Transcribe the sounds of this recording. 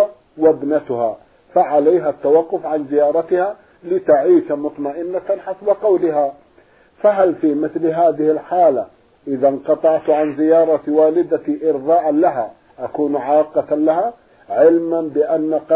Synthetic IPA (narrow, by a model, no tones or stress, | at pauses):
wabnat̪ʊha | faʕalajɦat̪ːawɑqːʊfʕanzɪjɑːɾˤɑt̪ɪha | lɪt̪aʕiːʃamʊt̪ˤmaʔɪnːat̪anħasbaqɑwlɪɦa | faɦalfimɪθlɦaːðɪhɪlħaːla | ʔɪðanqɑt̪ˤɑʕt̪ʕanzɪjɑːɾˤɑwaːlɪd̪aʔɪɾðaːʔalaɦa | ʔakuːnʕɑːqɑt̪alaɦa | ʕɪlmanbɪʔanːaq